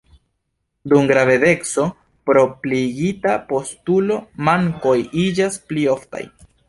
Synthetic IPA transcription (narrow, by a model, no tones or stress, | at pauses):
dumɡɾave̞de̞kso̞ | pɾo̞pliɡitapo̞stulo̞maŋko̞jid͡ʒasplio̞fta̰j